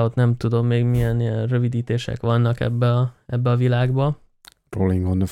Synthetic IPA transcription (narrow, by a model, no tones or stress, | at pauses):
ot̪nɛmt̪ud̪o̞mːeːɡmijɛniɛnrø̞vid̪iːt̪eːʃɛ̰kʋɒnːɒkɛ̰bːɛɒɛbːɛɒvilaːɡbɒ | roliŋɡonə